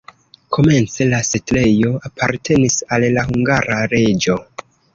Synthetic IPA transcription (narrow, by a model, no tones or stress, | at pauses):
kʰo̞me̞nt͡se̞lasetle̞jo̞apʰaɾtʰe̞nisalːahuŋɡaɾaɾe̞d͡ʒo̞